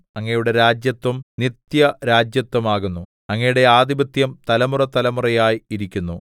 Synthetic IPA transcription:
ɐŋːɐjuɽe̞ɾaːd͡ʑjɐt̪ʋɐmnit̪jɐɾaːd͡ʑjɐt̪wɐmaːɣunːu | ɐŋːɐjuɽe̞aːd̪ibɐt̪jɐmt̪ɐlɐmurɐt̪ɐlɐmurɐjaːjiiɾikʲːunːu

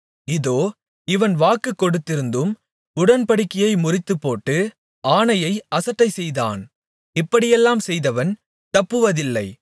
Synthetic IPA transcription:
ɪðoː | ɪʋɐnʋaːkːɯkːɔɽɯt̪ːɪɾɯnd̪ɯm | ʊɽɐnpɐɽɪkːɪjɐɪmʊrɪt̪ːɯpːoːʈːɯ | aːnɐjɐɪʔɐsɐʈːɐɪsɛjða̰ːn | ɪpːɐɽɪjɛlːaːmsɛjðɐʋɐn | t̪ɐpːɯʋɐðɪlːɐɪ

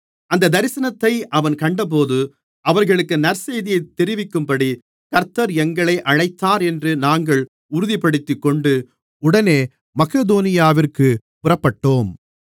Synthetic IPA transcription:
ɐnd̪ɐd̪ɐɾɪsɐnɐt̪ːɐɪʔɐʋɐnkɐɳɖɐp̬oːðɯ | ɐʋɐɾɣɐɭɯkːɯnɐɾsejðɪjɐɪt̪ːɛɾɪʋɪkːɯmpɐɽi | kɐɾt̪ːɐɾɛŋɡɐɭɐɪʔɐɻɐɪt̪ːaːɾɛndrɯnaːŋɡɐɭ | ʊɾʊðɪpɐɽɯt̪ːɯkːɔɳɖɯ | ʊɽɐneː | mɐkɐðoːnɪjaːʋɪrkɯ | pʊrɐpːɐʈːoːm

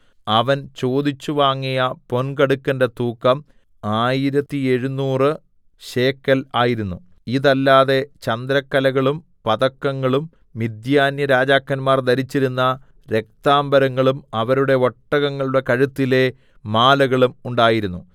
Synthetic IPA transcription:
ɐʋɐnt͡ɕo̞ːd̪it͡ɕːuʋaːŋːijɐpo̞nkɐɽukːɐndet̪uːkːɐm | aːjiɾɐt̪ːieɻunːuːrɨ | ɕe̞ːkːɐlaːjiɾunːu | iðɐlːaːðe̞t͡ɕɐnd̪ɾɐkːɐlɐɣɐɭum | pɐðɐkːɐŋːɐɭumː | id̪jaːnjɐɾaːd͡ʑaːkːɐnmaːrd̪ɐɾit͡ɕːiɾunːɐ | ɾe̞k̚t̪aːmbɐɾɐŋːɐɭumɐʋɐɾuɽe̞o̞ʈːɐɣɐŋːɐɭuɽe̞kɐɻut̪ːile̞ | maːlɐɣɐɭumuɳɖaːjiɾunːu

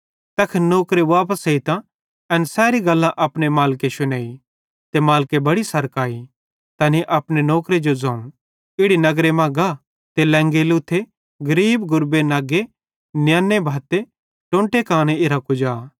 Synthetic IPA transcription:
t̪ɐkʰnoːkɾeʋaːp̬əseɪt̪ã | ɐnsɛːɾiɡɐlːãʔɐpnemaːlkeʃʊneːi | t̪emaːlkebɐɽisɐɾkaːi | t̪ɐːniʔɐpnenɔːkɾed͡ʒod͡zɐ̃ːũ | ɪɽinɐɡɾemãɡa | t̪elɛ̃ːŋɡelut̪ʰːe | ɡɐɾiːbɡʊɾbenaːɡe | njaːnːebʱaːt̪e | ʈõːɳʈekãːɽ̃eɪɾakʊd͡ʒaː

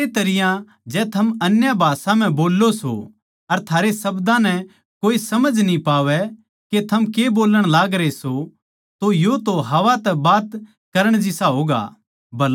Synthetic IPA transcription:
et̪ɐɾɪjã | d͡ʒɛːt̪ʰɐmɐnjabʱaːsãm̤ɛ̃boːlːoso̰ | ɐɾt̪ʰaːɾesɐbd̪ãnɛ | koːisɐməd͡ʒʱnĩpaːʋɛ | ket̪ʰɐmkeboːləɽ̃laːɡɾeso | t̪ojot̪oɦɐʋat̪ɛbaːt̪ | kɐɾəɽ̃d͡ʒɪsaɦoːɡa̰ː | bɐl

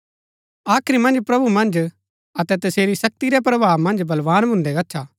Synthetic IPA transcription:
aːkʰɾimɐ̃nd͡ʒpɾɐbʱumɐ̃nd͡ʒ | ɐt̪ɛt̪ɐseːɾisɐk̚t̪iɾɛp̬ɾɐbʱaːʋmɐ̃nd͡ʒbɐlʋaːnbʱʊ̃nd̪ɛɡɐtːʃʰaː

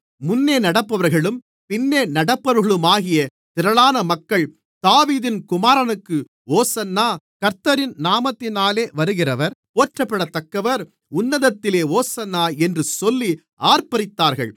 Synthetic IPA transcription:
mʊnːeːnɐɽɐpːɐʋɐɾɣɐɭɯm | pɪnːeːnɐɽɐpːɐɾɯɣɐɭɯmaːɣɪjɐ | t̪ɪɾɐɭaːnɐmɐkːɐɭ | d̪̥aːʋiːðɪnkʊmaːɾɐnɯkːɯ | oːsɐnːaː | kɐɾt̪ɐɾɪnnaːmɐt̪ːɪnaːleːʋɐɾɯɣɪrɐʋɐɾpoːʈrɐpːɐɽɐt̪ːɐkːɐʋɐɾ | ʊnːɐðɐt̪ːɪleːoːsɐnːaːɛndrɯsɔlːi | aːɾpɐɾɪt̪ːaːɾɣɐ̰ɭ

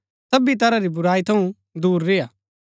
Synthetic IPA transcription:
sɐbit̪̬ɐɾaɾibʊɾaːit̪ʰɐ̃ũ | d̪uːɾːɪjaː

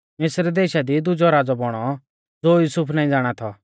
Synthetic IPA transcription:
mɪsɾd̪eːʃad̪id̪ʊd͡ʒɔɾaːd͡zɔbɔɽ̃ɔ | d͡zoːjuːsʊpʰnaːĩd͡zaːɽ̃at̪ʰɔ

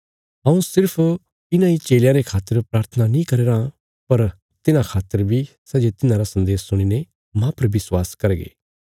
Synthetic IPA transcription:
ɐũsɪɾpʰ | ɪnãit͡ʃeːljãɾekʰaːt̪ːəɾpɾaːɾt̪ʰənanĩkɐɾeːɾã | pɐɾ | t̪ɪnãkʰaːt̪ːəɾbʱi | sɛːd͡ʒet̪ɪnãɾasɐ̃nd̪eːsːʊɽ̃ine | mãpɐɾbɪswaːskɐɾɡḛː

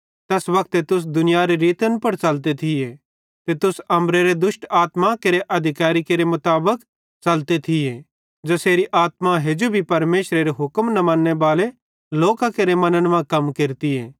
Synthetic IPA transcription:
t̪ɛːsʋɐkʰt̪et̪ʊs̬d̪ʊnɪjaɾeɾiːt̪ənpɐɽt͡ʃɐlt̪̬et̪ʰɪje | t̪et̪ʊsɐ̃mɾeɾed̪ʊsʈaːt̪makeɾeʔɐd̪ʱɪkaːɾikeɾemʊt̪aːbək | t͡ʃɐlt̪et̪ʰɪje | d͡ʒoseːɾiʔaːt̪maɦed͡ʒobʱipɐɾmeːʃɾeɾeɦʊkmnɐmãnːebaːle | loːkãkeɾemɐnənʋãkɐmkeɾt̪ieː

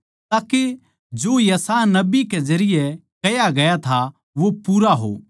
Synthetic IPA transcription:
t̪aːke | d͡ʒoːjɐsaːnɐbikɛd͡ʒɐɾɪjɛkɐjaɡɐjat̪ʰa | ʋopuːɾaɦo̰ː

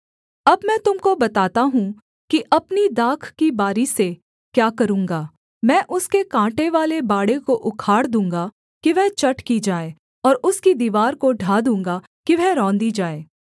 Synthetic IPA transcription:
ɐbmɛ̃ːt̪ʊmkobɐt̪aːt̪aɦũ | kiʔɐpnid̪aːkʰkibaːɾise | kjaːkɐɾũːŋɡaː | mɛ̃ːʔʊskekãːʈeʋaːlebaːɽekoʔʊkʰaːɽd̪ũːŋɡa | kiʋɛɦt͡ʃɐʈkid͡ʒaːeː | ɔːɾʊskid̪iːʋaːɾkoɖʱaːd̪ũːŋɡa | kiʋɛɾɔ̃ːnd̪id͡ʒaːeː

